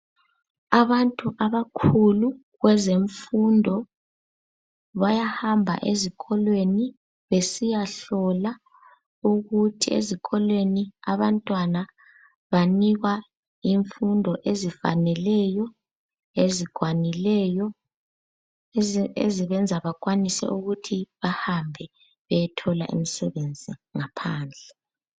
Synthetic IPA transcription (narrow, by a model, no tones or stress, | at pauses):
aβantʼuʔaβakʰulu | ɣwɛzeɱfundʱɔ | βajahambʱa̰ʔezikʰʼɔlweni | βesijaɬɔla | uɣutʰiḛzikʰʼɔlweniaβantʼwana | βaniɣa | iɱfundʱɔʔezifa̰nɛlɛjɔ | eziɡ̥ʱwanilɛjɔ | ḛziβɛnd͡zʱaβakʼwanisɛ̰uɣutʰiβahambʱɛ | βɛjɛtʰɔla̰ʔḭmisɛβend͡zʱiŋapʰaːnd͡ɮʱɛ